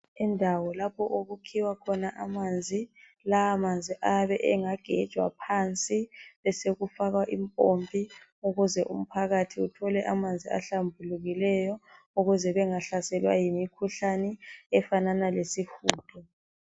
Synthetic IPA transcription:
ɛndʱawɔlapʰɔʔoɣukʰiwakʰɔnaʔamand͡zʱi | laːmand͡zʱiʔaβɛʔɛŋaɡ̥ʱɛd̥t͡ʃʼwa̰pʰant͡sʼiβɛseɣufaɣwaʔimpʼompʼi | uɣuzɛʔṵm̩pʰaɣatʰiutʰɔlɛʔamand͡zʱia̰ɬambʱuluɣilɛjɔ | uɣuzɛβɛŋaɬasɛlwa̰jimikʰuɬanɛɛfananalesihuːd̥ʰʱɔ

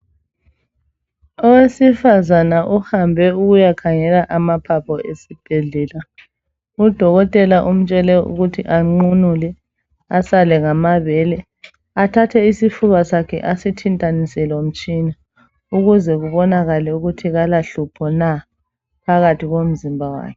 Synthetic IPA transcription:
ɔwesifazanaʔuhambʱɛuɣujakʰaŋɛlaʔamapʰapʰɔʔesib̥ʱɛɮɛːla | ud̥ʱɔɣɔtʼɛlaʔum̩t͡ʃʼɛlɛṵɣutʰiʔaŋ͡ǃunulɛ | asalɛŋamaβɛːlɛ | atʰatʰɛisifuβasakʰɛ̰ʔasitʰintʼanisɛlom̩t͡ʃʼina | uɣuzɛɣuβɔnaɣalɛuɣutʰiɣalaɬupʰɔna | pʰaɣatʰiɣom̩zimbʱawa̰ːkʰɛ̥

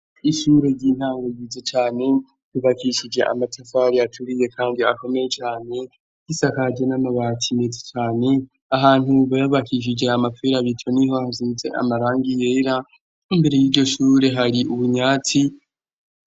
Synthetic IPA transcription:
iʃuɾe̞ɾɟiːn̥haːŋɡojizet͡ʃaːne̞ | βiβakiʃid͡ʒe̞ʔa̰matʰafaɾiatʰuɾije̞kʰaːndiako̞me̞je̞t͡ʃaːne̞ | ɡ̥isakad͡ʒe̞namaβaːtʰimezet͡ʃaːne̞ | aɦaːn̥huβajaβakiʃ̬id͡ʒe̞amafeɾaβitʰo̞niɦo̞hazize̞̰ʔa̰maɾaːŋɡije̞ːɾa | imbe̞ɾe̞jiːɾɟo̞ʃuːɾe̞ɦaɾiʔuβuɲaːt͡si

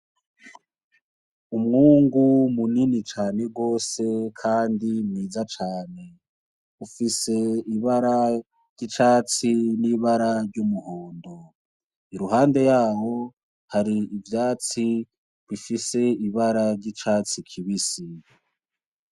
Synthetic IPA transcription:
umŋuːŋɡumuninit͡ʃaːne̞ɡo̞ːse̞kʰaːndimŋiːzat͡ʃaːne̞ | ufise̞iβaɾa | ɾɟ̥it͡ʃaːt͡siniβaɾaɾɟumuhoːndo | iɾuɦaːnde̞jaːwo̞ | haɾiivjaːt͡si | βifise̞iβaɾaɾɟit͡ʃaːt͡sikʰiβisi

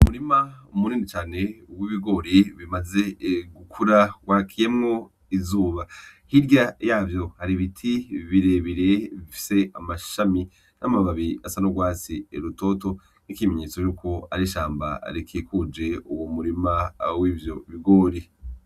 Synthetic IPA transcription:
umuɾimaumuniːnit͡ʃaːne̞uwiβiɡo̞ɾiβimaze̞ɡukʰuɾaɡwaːkʰije̞mŋo̞ | izuːβahiɾɟajaːvjo̞haɾiβitʰiβiɾe̞βiɾe̞βifi̥se̞amaʃami | nʔamaβaβiasanoɡwaːt͡sieɾuto̞to̞ | nikimeɲeːt͡so̞juːko̞a̰ɾiʃaːmba̰ɾikʰikud͡ʒe̞uwomuɾimawiːvjo̞βiɡoːɾi

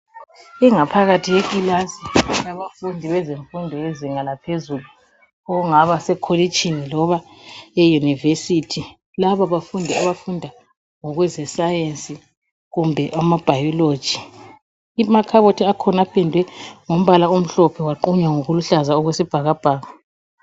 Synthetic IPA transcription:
iŋapʰaɣatʰiɣekʼilasiaβafundʱiβɛzeɱfundʱɔjeziŋalapʰezulu | ɔuŋaβasɛkʰolit͡ʃʼinilɔβa | ejunivesitʰi | laβaβafundʱɛaβafundʱa | ŋɔɣwɛzɛsajensʼi | ɣumbʱɛʔamab̥ʱajɔlo̥ʒ̥ʱi | imakʰaβotʰiakʰɔnapʰɛndʱwɛŋom̩βalaum̩ɬɔpʰɛwaǃuɲwaŋoɣuluɬazaɔɣwesib̥ʱaɣab̥ʱaːɣa

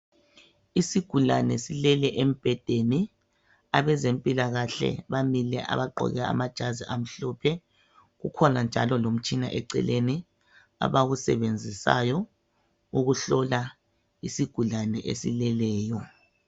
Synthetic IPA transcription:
isiɡ̥ʱulanɛsilɛlɛʔem̩b̥ʱɛd̥ʱeni | aβɛzempʼilaɣaɬɛ̰βamilɛʔa̰βaǃʱɔ̰ɣɛa̰mad̥ʒ̥ʱaziʔam̩ɬɔpʰɛ | ɣukʰɔnand͡ʒʱalɔlom̩t͡ʃʼinaʔɛǀɛ̰leni | a̰βaɣusɛ̰βend͡zʱisa̰jɔ | uɣuɬɔla | isiɡ̥ʱulanɛʔḛsḭlɛlɛːjɔ

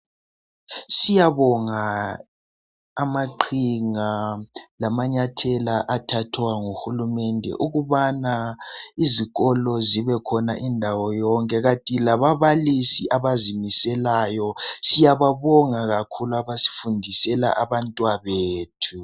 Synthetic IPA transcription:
sijaβɔŋa | maǃʰiŋalamaɲatʰɛlaʔatʰatʰwaŋuxulumɛndʱɛ̰ʔuɣuβanaiziɣɔlɔziβɛkʰɔnaʔindʱawɔjɔŋkʼɛɣatʼilaβaβalisiʔaβazimisɛlajɔsijaβaβɔŋaɣakʰuluaβasi̥fundʱisɛla̰ʔaβantʼwaβeːtʰu

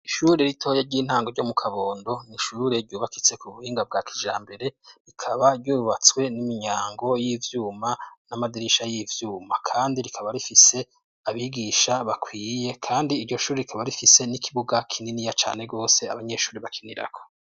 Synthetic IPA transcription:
iʃuːɾe̞ɾitʰo̞ːjeɾɟiːn̥haːŋɡoɾɟomukʰaβoːndo̞niʃuːɾe̞ɾɟuːβakit͡se̞kuβuhiːŋɡab̚ɡaːkʰiʒaːmbe̞ɾe̞ɾikʰaβaɾɟuːβat͡swe̞nimiɲaːŋɡo̞jivjuːmanamadiɾiʃajivjuːmakʰaːndiɾikʰaβaɾifise̞ | aβiɡiːʃaβakʰwiːje̞kʰaːndiːɾɟo̞ʃuːɾeikʰaβaɾifise̞nikʰiβuɡakʰininijat͡ʃa̰ːne̞ɡo̞ːse̞a̰βaɲe̞ʃuːɾiβakʰiniɾa̰kʰo̥

